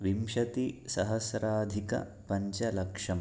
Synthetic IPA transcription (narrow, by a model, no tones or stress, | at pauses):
ʋimʃɐt̪isɐɦɐsɾaːd̪ʱikɐ̰ | pɐɲt͡ʃɐlɐkʂɐm